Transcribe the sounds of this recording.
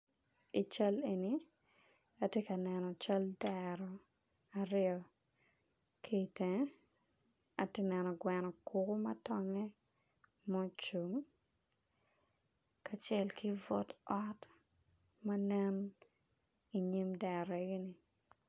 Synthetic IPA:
i˨t͡ʃa˦le˨ni˨ | a˨tje˦ka˨nɛ˨nɔ˨t͡ʃa˦ldɛɾɔ˨ | a˨ɾɪɔ˨ | kʰe˨tɛ̃˨ | a̰˨tɪ˦nɛ˨nɔ˨ɡwɛ˨nɔ˨kʊkʊ˦mɐ˦tɔ˦ŋɛ˦ | mɔ˦t͡ʃu˨ŋ | ka˨t͡ʃɛ˦lki˦vɔ˦tɔ˦t | ma˦nɛ˦n | i˨ɲi˦mdɛ˨ɾɔ˨e˨˦ɡi˦ni˨

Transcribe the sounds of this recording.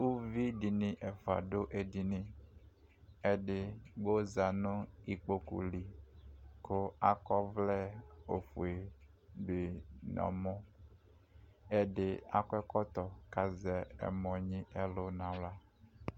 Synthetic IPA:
wu˦vi˦ɖi˨nĩ˨ʔɛ˨fa̰˨ɖo˦ʔe˨di˨nĩ˦ | e˦ɖe˦ɡ͡bo˦za˨nũ˦i˨k͡po˦kṵ˨li˨ | ko˦a˦kɔ˦vlɛ˦o˨fu˨e˨ | be˨nɔ̰̃˨mɔ̃˦ | e˦ɖe˦a̰˦kɔ˦ɛ˦kɔ˦t̪ɔ˨ka˨zɛ˦ḛ˨mɔ̃˨ɲĩ˦ɛ˦lo˦nã˨wla˦

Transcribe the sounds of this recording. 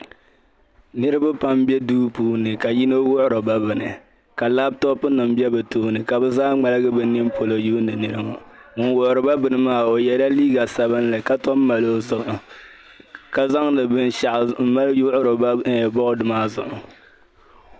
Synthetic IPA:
nɨ˦ɾɨ˦ba˦pa˦mbɛ˦duː˦puː˦nɨ˨ka˨ji˦no˦wʊ˦ʔʊ˦ɾo˨ba˦bɨ˨nɨ˨ | ka˨laː˦b̚tɔ˦pɨ˦nɨ˨m˦bi˦ɛ˦bɛ˨toː˦nɨ˨ka˨bɛ˦zaː˦ŋ͡ma˨lɨ˦ɡɨ˦bɨ˨nɪ˦mpo˨lo˨juː˦nɨ˨nɨ˦ɾɨ˦ŋɔ̰˨ | ŋ̩˦wʊ˨ʔʊ˨ɾɨ˨ba˦bɨ˨nɨ˦maː˦˨o˨jɛ˦da˦liː˦ɡa˨sa˨bɨ˦n˦lɨ˨ka˦tɔ˦m˦ma˨lo˦zʊ˨ʔʊ˨ | ka˨za˦ŋlɨ˨bɨ˦n˦ʃa˨ʔm̩˦ma˦ljʊ˦ʔʊ˦ɾo˨ba˦˨bɔ˦ʔʊ˦dʊ˨maː˦zʊ̰˨ʔʊ˨

